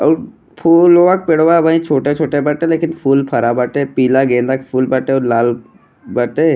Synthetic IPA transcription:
pʰuːloʋak̚peɽʋabaĩt͡ʃʰoːʈet͡ʃʰoːʈebɐʈeleːkɪnpʰuːlpʰɐɾabəʈeːpiːlaɡẽːnd̪akpʰuːlbəʈeɔlaːl | bəʈeː

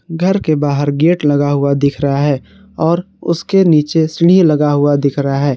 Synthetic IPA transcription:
ɡʱəɾkebaːɦəɾɡeːʈlɐɡaɦʊad̪ɪkʰɾəɦaɦɛː | ɔːɾ | ʊskeniːt͡ʃesɪɽ̃ilɐɡaɦʊad̪ɪkʰɾɐɦaɦɛː

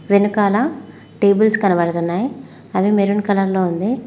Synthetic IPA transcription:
ʋenukaːlɐ | ʈe̞ːbulskɐnɐbɐɽɐt̪unːaːji | ɐʋimeɾuɳkɐlɐɾloːund̪i

